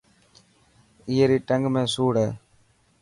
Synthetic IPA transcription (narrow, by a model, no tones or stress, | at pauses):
ɪjɐɾiʈɐŋɡmesuːɽɐ